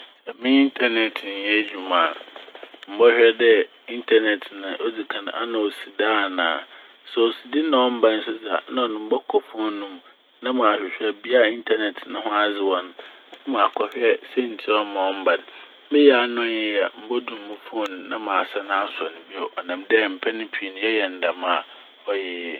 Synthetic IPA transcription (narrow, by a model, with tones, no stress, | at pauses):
ɛ˨mɪ̃˦i˦ntʰa˦nɛ˨tʰn˨jɛ˦d͡ʑᶣu˨mãː˨m̩˨˦bɔ˦ɕᶣɛ˦dɛ˦ | i˦ntʰa˦nɛ˨tʰnʊ̃˨ʔɔ˦d͡zi˨kʰã˨ñ̰˨ʔa̰˦nã˨o˨si˨da˦˨nã̰ː˨ | sɛ˨o˨si˨dɪ˦nã˨ɔ̃˦m̩˦bã˦n̩˦sʊ˦d͡za˨˦nã˦ɔ˨nʊ̃˨m̩˦bɔ˦kʰɔ˦fɔ˦nʊ̃˦m | nã˦mã˨ɕᶣɪ˨ɕᶣɛ˨bi˦a˦i˦ntʰa˦nɛ˨tʰnʊ̃˦hʊ̃˦a˨d͡zɪ˨wɔ˨ñ˨˦ | mã˨kʰɔ˨hᶣɛ˦sɛ˦n̩˨tʰi˦ɔ˦mã˨ɔ̃˦m̩˦bã˨n˦ | bɪ˦jɛ˨a˨nʊ̃˦jɛ˦a˨m̩˦bɔ˦du˨m̩˨mʊ̃˦fʊ˦˨ñ˨nːã˦mã˨sɛ˦nã˦a˦sɔ˨nʊ̃˨bi˦ɔ˨ʔɔ˨nã˨mdɛ˦˨m̩˨pʰɛ˦nɪ̃˦pʰi˨nʊ̃˦jɛ˦jɛ˨n̩˨da˨mã˨ | ɔ˦jɛ˨jɛ˦